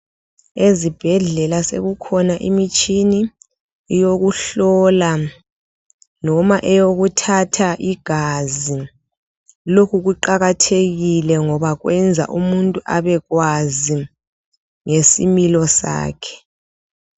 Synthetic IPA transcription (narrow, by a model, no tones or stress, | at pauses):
ezib̥ʱɛɮɛlasḛɣukʰɔnaʔimit͡ʃʼʰiniː | joɣuɬɔla | nɔmaʔɛjoɣutʰatʰaʔiɡ̥ʱazi | lokʰuɣ̬uǃaɣatʰeɣilɛŋɔβaɣwʔɛnd͡zʱa̰ʔumuntʼuʔaβɛɣwazi | ŋesimilɔsa̰ːkʰɛ̥